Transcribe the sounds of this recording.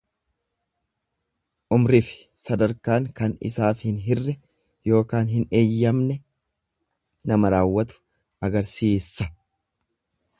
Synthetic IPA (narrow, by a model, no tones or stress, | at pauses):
ʔʊmɾɪfɪ̥ | sɐd̪ɐɾkaːŋkɐnɪ̰saːfhɪnɦɪrːɛ | jo̞ːkaːnɦɪne̞ːjːɐmnɛ | nɐmɐɾaːwːɐt̪ʊ̥ | ʔɐɡɐɾsiːsɐ